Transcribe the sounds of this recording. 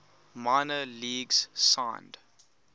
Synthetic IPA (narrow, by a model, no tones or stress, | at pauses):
maɪnəliːɡz̥sãɪ̃nd̥